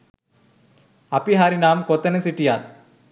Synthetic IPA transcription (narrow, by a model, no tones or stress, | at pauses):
ɐpːiɦaːɾinaːmkɔt̪ːɐnɐsiʈːijaːl